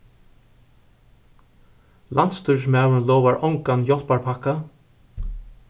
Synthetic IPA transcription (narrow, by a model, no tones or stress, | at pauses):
lant̪st̪ʏʂ̬mawənlɔwvaɹʔɔŋkanjɔlpaɹpʰaka